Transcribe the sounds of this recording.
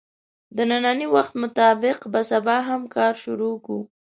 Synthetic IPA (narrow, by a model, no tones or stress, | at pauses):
d̪ənanɑniwaxt̪mʊt̪ɑbɪqbasabɑɦamkɑɾʃʊɾoku